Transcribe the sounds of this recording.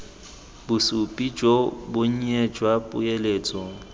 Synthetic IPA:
bʊsupʼid͡ʒobʊɲ̩ɛd͡ʒwapʼʊ̰eleːt͡sʼɔ

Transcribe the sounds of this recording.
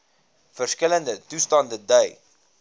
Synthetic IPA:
fərskələndətustɑndədœɥ

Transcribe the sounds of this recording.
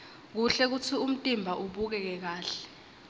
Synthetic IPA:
k̬uɬɛk̬ut͡sʰium̩tʼimbʱaʔuɓuk̬ɛk̬ɛk̬aːɬɛ̥

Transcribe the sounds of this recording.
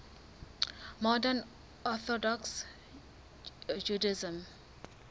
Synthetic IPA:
mɔdən | ɔθɔdɔks | d͡ʒudaɪzə̃m

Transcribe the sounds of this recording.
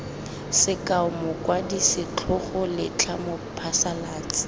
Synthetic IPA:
sɪkʼaʊmʊkʼwadisɪt͡ɬʰʊχʊlɪt͡ɬʰamʊpʰasalaːt͡sʼɪ̥

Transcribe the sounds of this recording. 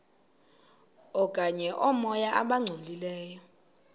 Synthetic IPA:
ɔkʼaɲɛʔɔmɔjaʔaɓaŋ͡ǀʱolilɛːjɔ

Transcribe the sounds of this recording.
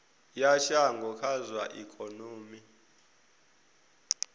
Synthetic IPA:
jaʃaŋɡʱɔkʰazwaʔikʰʼonoːmi

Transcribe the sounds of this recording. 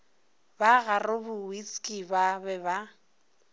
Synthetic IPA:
baɣarʊbʊwiskʼibabɛba

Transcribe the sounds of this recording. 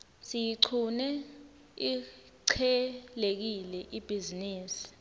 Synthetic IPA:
sijiǀʰunɛ | i | ǀʰɛlek̬ilɛʔib̥ʱiziniːsi̥

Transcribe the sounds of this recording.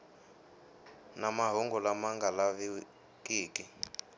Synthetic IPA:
namaɦuŋɡɔlamaŋɡalaβi | kʼiːki

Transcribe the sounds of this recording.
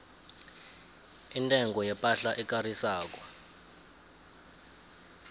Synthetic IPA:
intʼɛŋɡʱɔjɛpʼaɬaʔɛk̬ʼarisaːk̬wɔ

